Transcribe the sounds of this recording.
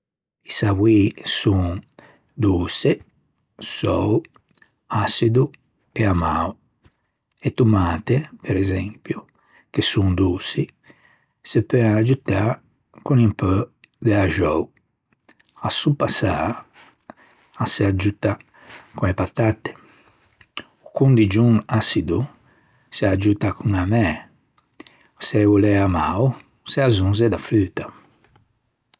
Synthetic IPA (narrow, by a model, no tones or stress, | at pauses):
isawwisuŋ | d̪uːse | sɔw | asid̪u | eamau | ɛt̪ːumaːt̪epɛɾɛzɛmpju | kesuŋd̪uːsi | sepɛad͡ʒut̪a | kunimpø | d̪ɛlaʒɔu | asupːasa | asead͡ʒut̪a | kuepat̪at̪e̥ | ukund̪id͡ʒuŋasid̪u | sead͡ʒut̪akʰuŋamɛ | sɛvulɛamaw | seazunz̬ed̪aflyːt̪a